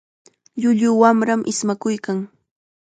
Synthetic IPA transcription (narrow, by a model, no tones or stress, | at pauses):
ʎʊʎʊwamɾamʔɪsmakʊjkaŋ